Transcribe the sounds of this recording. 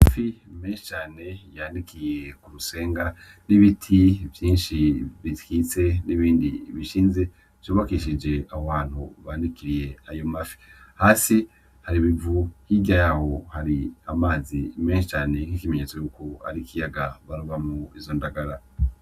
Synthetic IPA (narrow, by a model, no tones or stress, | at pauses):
mafime̞ːnʃi̥t͡ʃaːne̞jandikije̞kuɾuse̞ːŋɡa | niβitʰivjiːnʃiβitkit͡se̞niβiːndḭβiʃiːnze̞ | v̥joβakiʃid͡ʒe̞ahoβaːn̥hṵβaːndikiɾije̞ajo̞mafi̥haːsi | haɾiβivuhiɡajaho̞haɾiamaːzime̞ːnʃit͡ʃaːne̞kikimeɲe̞ːt͡so̞juːko̞a̰ɾikijaɡaβaɾoβamuizo̞ndaɡaɾa